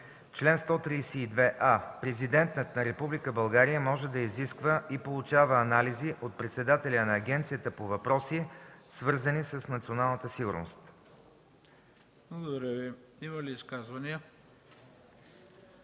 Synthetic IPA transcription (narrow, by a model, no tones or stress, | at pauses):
t͡ʃlɛnst̪ɔt̪ɾisiːd̪vɛʔapɾɛzid̪ɛnt̪nət̪nɐɾɛpublikəbɐlˠɡaɾijəmɔʒɛd̪ɐiziskvəʔipolˠut͡ʃavəːnaliziʔot̪̚pɾɛt̪sɛd̪at̪ɛlʲənɐːɡʲɛnt̪sijət̪əpovɐpɾɔsisvɤɾzənisəsnɐt̪sionalˠnət̪əsiɡʊɾno̰st̪ | blˠəɡod̪əɾɛvi | iməliːskazvɐniə